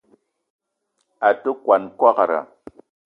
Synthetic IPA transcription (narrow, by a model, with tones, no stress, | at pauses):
a˨tə˦kwa˨nka˦ka˨ɾa̰˨